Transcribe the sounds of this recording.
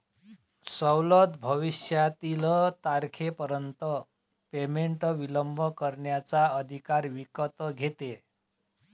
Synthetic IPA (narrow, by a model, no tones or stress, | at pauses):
səwlət̪bʱəʋiɕjat̪ilət̪aɾkʰepəɾənt̪ə | pemeɳʈʋiləmbʱəkəɾɳjat͡saəd̪ʱikaɾʋikət̪ɡʱet̪e